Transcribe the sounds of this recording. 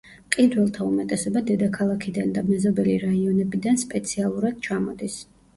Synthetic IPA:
qʼid̪wɛlˠt̪ʰaumɛt̪ʼɛsɔbad̪ɛd̪akʰalˠakʰid̪and̪amɛzɔbɛliɾaiɔnɛbid̪anspʼɛt̪sʰialˠuɾad̪̥̚t͡ʃʰamɔd̪is

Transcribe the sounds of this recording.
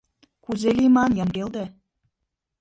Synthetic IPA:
kuzelimɑnjɑŋɡeld̪æ

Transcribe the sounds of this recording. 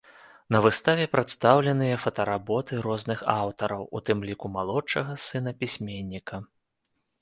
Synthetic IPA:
nɐvɨst̪avʲɛpɾat̪st̪awlʲɛnɨjɐfɐt̪ɐɾabɔt̪ɨɾɔznɨxawt̪ɐɾɐwʔut̪ɨmlʲikumalˠɔt͡ʂɐɣɐsɨn̪ɐpʲisʲmʲenʲːikɐ

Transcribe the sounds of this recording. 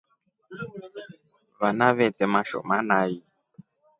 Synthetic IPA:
βanaβɛtɛmaʃɔ̰manaji

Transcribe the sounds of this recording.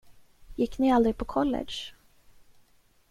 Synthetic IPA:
jɪkːnɪald̪ɾɪɡ̪̚pʰɔkʰɔlːɛ̰d̪ʂ

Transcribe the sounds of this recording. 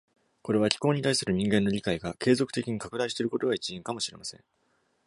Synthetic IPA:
ko̞ɾe̞β̞akʲi̥ko̞ːɲ̟it̪aisɨɾɯ̟ɲ̟ĩŋɡẽ̞nːo̞ɾʲikaiɡake̞ːzo̞kɯ̟t̪e̞kʲiɲ̟ikakɯ̟d̪aiɕit̪eɾɯ̟ko̞t̪oɡait͡ɕiĩŋkamo̞ɕiɾe̞masẽ̞̰ŋ

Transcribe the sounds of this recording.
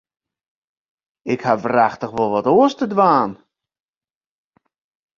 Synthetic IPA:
ɪkhavraxtəχʋolˠʋɔtoəstədʋaːn

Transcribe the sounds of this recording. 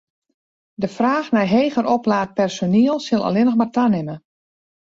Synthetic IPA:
dəfraːxnɛjɦeːɣəɾɔplaːt̚pɛrsoniəlˠsɪlˠa̰lɪnəxmartanɪmə

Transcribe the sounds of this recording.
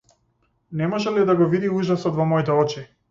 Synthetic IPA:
nɛmɔʒɛlid̪aɡɔvid̪iuʒasɔt̪vɔmɔit̪ɛɔt͡ʃi

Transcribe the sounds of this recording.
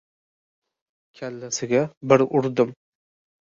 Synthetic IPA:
kʲʰalːasɪɡʲabɪɾʊɾd̪ɪm

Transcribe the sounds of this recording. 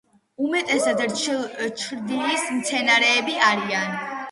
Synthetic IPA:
umɛt̪ʼɛsad̪t͡ʃt͡ʃʰɾd̪ilismt̪sʰɛnaɾɛːbiaɾian

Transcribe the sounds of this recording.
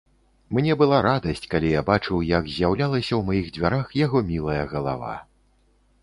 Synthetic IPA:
mnʲɛbɨlˠaɾad̪ɐsʲt͡sʲkalʲijabat͡ʂɨwjɐɡzʲjawlʲalˠɐsʲɐwmajiɣd͡zʲvʲaɾaxjaɣɔmʲilˠɐjɐɣɐlˠa̰va̰

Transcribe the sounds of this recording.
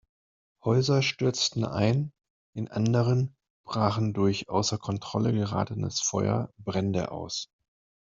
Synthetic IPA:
hɔʏzɐʃtʏɐt͡stn̩ʔa̰ɪn | ʔɪnʔa̰ndəʁən | b̥ʁaːχn̩dʊɐçʔaʊsɐkʰɔntʁ̥ɔləɡəʁa̰ːtənəsfɔʏɐ̰bʁɛndə̰ʔa̰ʊs

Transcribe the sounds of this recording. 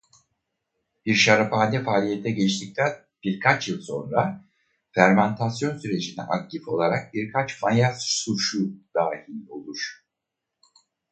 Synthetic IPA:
b̥iɾʃaɾafaːnʲɛfaːlʲijet̪ʰːɛɟɛt͡ʃt̪ʰic̚t̪ʰæn | b̥iɾkʰat͡ʃjɯlˠso̞̰nɾa | fæɾmant̪ʰasjo̞nsyɾe̞d͡ʒinɛ̰ʔak̚t̪ʰifo̞lˠaɾak̚biɾkʰat͡ʃmajazsuʃud̪̥aːhilʲo̞lˠuɾ̥

